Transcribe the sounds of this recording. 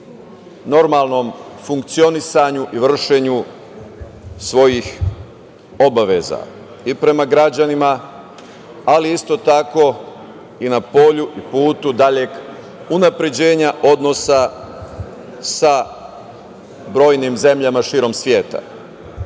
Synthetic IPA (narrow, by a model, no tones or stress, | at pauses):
no̞ɾmalˠno̞mfuŋkt̪sio̞nisaɲuʔiʋr̩ʃe̞ɲu | sʋo̞jix | o̞baʋe̞za̰ | ipɾe̞maɡɾad͡ʑanima | aliist̪o̞t̪ako̞ | inapo̞ʎuʔipuːt̪ud̪aʎe̞k | unapɾe̞d͡ʑe̞ːɲaʔo̞d̪no̞sa | sa | bɾo̞ːjnimze̞mʎamaʃiːɾo̞msʋje̞ːt̪a̰